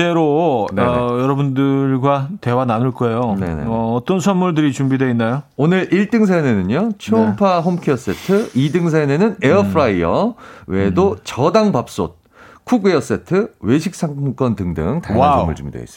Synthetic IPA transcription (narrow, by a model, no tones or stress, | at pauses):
eɾonjʌɾʌbundɯɭɡwate̞wananuɭk͈ʌe̞jone̞̰nḛʌːt͈ʌnsʰʌnmuɭdɯɾit͡ɕumbidweinːajoonɯɾiɭt͈ɯŋs̬ʰajne̞nɯɲot͡ɕʰumpʰaɸomkʰiʌs͈e̞tʰɯidɯŋs̬ʰanenɯneʌpʰɾaiʌwedot͡ɕʌdaŋpap̚s͈o̰t̚ | kʰuɡeʌs͈e̞tʰɯwe̞ɕʰik̚s͈ʰaŋk͈ʌntɯŋdɯ̰ŋtamːṵɭd͡ʑumidwḛis͈ɯ̥